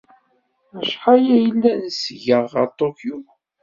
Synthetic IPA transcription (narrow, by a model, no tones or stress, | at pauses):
æʃħajæjəlːænsʝəʁə̰ɾt̪ˤːokju